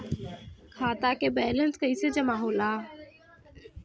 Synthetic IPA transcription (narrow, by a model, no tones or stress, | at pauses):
kʰaːt̪aːkeːbɛːlənskəised͡ʒəmaːɦoːlaː